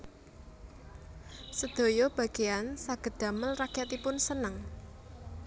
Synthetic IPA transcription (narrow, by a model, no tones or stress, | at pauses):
səd̪̥o̤jɔb̥ä̤ɡ̥e̤jansaɡ̥ə̤d̪̥a̤məlrakjat̪ipʊnsənəŋ